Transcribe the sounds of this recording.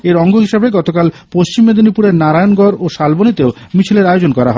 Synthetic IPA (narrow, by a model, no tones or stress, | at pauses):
eɾɔŋɡʱoɦiʃebeɡɔt̪okal | poʃt͡ɕimːed̪onipuɾeɾnaɾaeonɡɔɾoʃalbonit̪eo | mit͡ɕʰileɾaeod͡ʑonkɔɾaɦɔ